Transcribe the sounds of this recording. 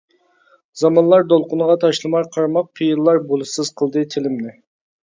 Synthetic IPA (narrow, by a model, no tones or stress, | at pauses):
zɑmɑnlˠɑɾd̪olˠqʊnəʁɑt̪ʰɑʃlˠɨmɑɾqʰɑɾmɑq̚qʰijɨlːˠɑɾbolˠɨsɨz̥qʰəlˠd̪ɨt̪ʰɪlɪmnɪ